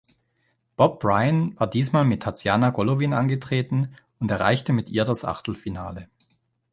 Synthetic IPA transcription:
b̥ɔb̚b̥ʁaɪənvaːɐdiːsmaːlmɪtʰːat͡sjaːnaɡɔlovina̰nɡətʁ̥eːtn̩ | ʊntɛɐʁa̰ɪçtəmɪtʔiːɐdasʔa̰χtl̩fina̰ːlə

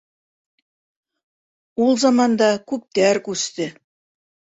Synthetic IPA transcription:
ulˠzɑmɑnd̪ɑkʉp̚t̪ærkʉst̪ɘ̆

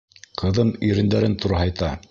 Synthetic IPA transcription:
qɤ̆ðɤmiɾɘ̆nd̪æɾɘnt̪uɾɑɦɑjt̪ɑ

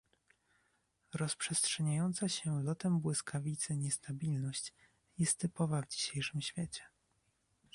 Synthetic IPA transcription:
ɾɔspʂɛstʂɛɲajɔnt̪saɕɛlɔt̪ɛmbwɘskʰavʲit̪sɘɲɛst̪abʲilnɔɕt͡ɕ | jɛst̪ːɘpɔvavd͡ʑiɕejʂɘmɕfʲjɛt͡ɕɛ̥

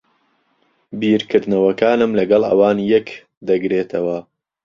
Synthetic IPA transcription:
biːɾkɨɾd̪nɐwɐkaːnɨmlɐɡɐlˠɐ̰waːnjɛk | d̪ɐɡɾeːt̪ʰɐwɐ

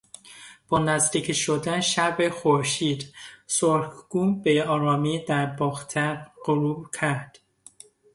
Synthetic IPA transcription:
b̥ɒːnæzd̪iːkʰiʃod̪ænʃæɾbexoɾʃiːd̪soɾɡ̥uːmbeɒːɾɒːmiːd̪æɾbɒːxt̪ʰæɾɢoɾuːbcʰæɾd̪̥

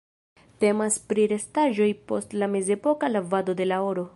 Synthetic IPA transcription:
te̞maspɾiɾe̞staʒo̞jpo̞stlame̞ze̞po̞kalavado̞de̞laoɾo̞

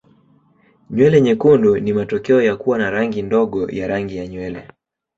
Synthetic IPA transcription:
ɲwɛlɛɲɛkundunimatɔkɛɔjakuwanaɾaŋɡindɔɠɔjaɾaŋɡijaɲwɛlɛ̰

